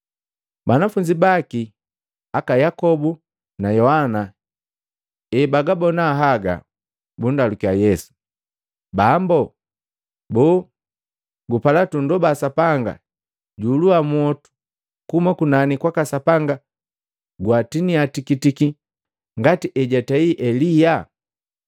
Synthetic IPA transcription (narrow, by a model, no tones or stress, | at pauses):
banafuɲd͡ʒibaki | akajakɔbu | najɔhana | ɛbaɡabɔnaɦaɡa̰ | bundalukiajɛsu̥ | bambɔ | bɔ | ɡupalatundɔbasapaŋɡa̰ | ɟuːluamuɔtu̥ | kumakunanikwakasapaŋɡa | ɡwatiniatikitiki | ŋɡatiʔɛɟataiʔɛlija